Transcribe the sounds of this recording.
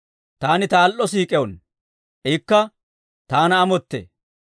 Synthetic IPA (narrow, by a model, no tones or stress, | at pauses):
t̪aːnɪt̪aːlʔːɔsiːkʼɛwɔn | ʔɛkːɐ | t̪aːnɐːmɔt̪ːḛ